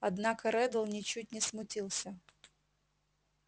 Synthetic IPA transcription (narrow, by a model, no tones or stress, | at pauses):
ɐd̪nɑkɐɾɛd̪ɐlˠnʲɪt͡ɕut̚ʲnʲɪsmʊtʲilˠsʲɐ